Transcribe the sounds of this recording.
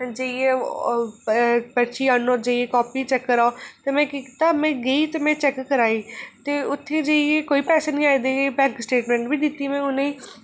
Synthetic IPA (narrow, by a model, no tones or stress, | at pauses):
d͡ʒeːie | bəʃiːaːnõːd͡ʒeːieːkɔːpiːt͡ʃɛkːəɾaot̪eːmɛ̃ːkikːt̪aːmɛ̃ːɡeit̪ːmɛ̃ːt͡ʃɛkːəɾaːiːt̪eːʊt̪ʰːeːd͡ʒeːieːkoːiːpɛːseːnĩːaːed̪eːebɛ̃ːŋksʈeːʈmɛ̃ːɳʈbiːd̪ɪt̪ːiːmɛ̃ːʊnẽːiː